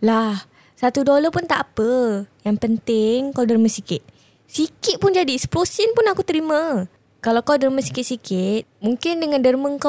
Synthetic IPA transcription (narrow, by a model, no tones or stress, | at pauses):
lah | sat̪udolapʊnt̪aʔapəjaŋpənt̪ɪŋkawdəɾmə̃sikɪt̪̚ | sikɪt̪̚pʊnd͡ʒadiɛspɾosinpʊnakut̪əɾimã | kalawkawdərmə̃si̥kɪt̪̚sikɪt̪̚muŋkɪndəŋãndərməŋka